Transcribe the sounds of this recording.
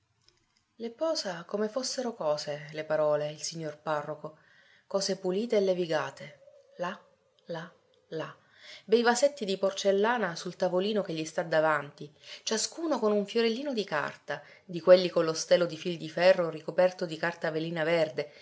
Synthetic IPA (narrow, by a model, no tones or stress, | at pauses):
lepɔːzakomefosːeɾokɔːzelepaɾɔːleilsiɲːorparːoko | kɔːzepuliːt̪eːlːeviɡaːt̪ʰe | la | la | la | d̪ejvaset̪ːid̪iport͡ʃelːaːnasult̪avoliːnokeʎːist̪ad̪avant̪it͡ʃaskuːnokonuɱfjoɾelːiːnod̪ika̰rt̪a | d̪ikwelːikonlːost̪eːlːod̪ifild̪ifɛrːorikopɛrt̪od̪ikart̪aveliːnaverd̪e